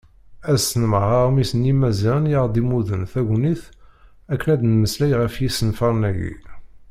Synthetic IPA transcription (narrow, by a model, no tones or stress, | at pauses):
æsənəmʁɑʁmisənjimæzænjəʁd̪imuðənθæʝniθ | ækːnæd̪nməslæjʁəfjisənfɑɾˤnæjḭ